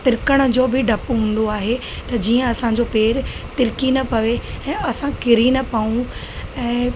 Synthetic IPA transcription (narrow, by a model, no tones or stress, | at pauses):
t̪ɪɾkəɽ̃d͡ʑoːbɪɖʱɐpɦũːn̆d̪oaːɦe | t̪ɐd͡ʑiːə̃ɐsãd͡ʑoːpeːɾt̪ɪɾkinɐpɐʋeɛ̃ːɐsãkɪɾinɐpaːũ | ɛ̃ː